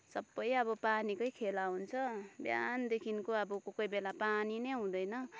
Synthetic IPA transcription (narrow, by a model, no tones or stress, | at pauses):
sʌbːʌjʌβʌpanikʌjkʰelaɦunt͡sʰʌbja̰nd̪ekʰinkoʌbʌkokʌjbelapaninʌjɦũd̪ʌjnʌ